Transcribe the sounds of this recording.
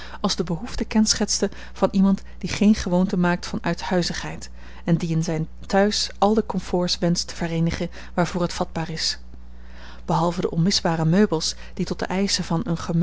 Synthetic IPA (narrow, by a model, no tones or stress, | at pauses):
ɑlˠzdəbəɦuftəkɛnsχɛtstə | v̥ɑnʔimɑnt | d̥iχejnχəʋowntəmaːk̚tfɑnœɥthœɥzəχɦɛjt | ɛndiɪnzɛjn | tœɥsɑlˠdəkɔmfʊːɹsʋɛnstə̥v̥ərejnəχə | ʋaːɹvʊːɹɦətfɑd̚baːrɪs | b̥əɦɑlˠvədə̰ʔɔnmɪzbaːrəmøɥbəlˠs | d̥itɔtd̥ə̰ʔɛjsəvɑnənχəm